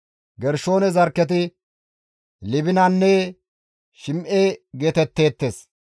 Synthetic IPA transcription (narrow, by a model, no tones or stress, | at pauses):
ɡɛɾʃo̞ːnɛzɐɾkːɛt̪̬ɪ | lɪbɪnɐnːɛ | ʃɪmʔeɡeːt̪ɛt̪ːe̞ːt̪ːeːs